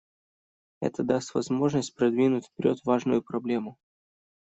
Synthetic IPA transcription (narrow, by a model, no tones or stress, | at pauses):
ɛ̰t̪əd̪ast̪vɐzmo̞ʐnəsʲt̚ʲpɾɐd̪vʲinʊtʲfpʲɪɾʲo̞t̪vaʐnʊjʊpɾɐblʲe̞mʊ